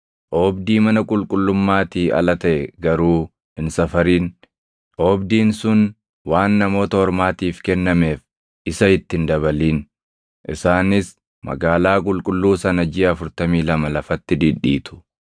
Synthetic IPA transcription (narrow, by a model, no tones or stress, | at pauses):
ʔoːbd̪iːmɐnɐkʼʊlkʼʊlːʊmːaːt̪iːʔɐ̰lɐt̪ɐʔɛɡɐɾuː | ɪnsɐfɐɾiːn | ʔɔːbd̪iːnsʊn | waːnːɐmo̞ːt̪ɐhɔɾmaːt̪iːfkɛnːɐme̞ːf | ʔɪsɐɪt̪ːɪnd̪ɐβɐliːn | ʔɪ̰saːnɪs | mɐ̰ɡaːlaːkʼʊlkʼʊlːuːsɐnɐd͡ʒiːɐfʊɾt̪ɐmiːlɐmɐlɐfɐt̪ːɪd̪iᶑːḭːt̪ʊ̥